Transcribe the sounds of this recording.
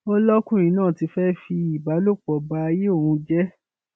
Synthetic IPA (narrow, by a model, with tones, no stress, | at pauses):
o˦lɔ˦kũ˦˨ɾ̃ĩ˨˦nãː˦˨ti˨˧˦fɛ˦fi˧i˨ba˨˦lo˦˨k͡pɔ˨ba˧a˧je˦o˦˨hũ˧d͡ʒɛ˦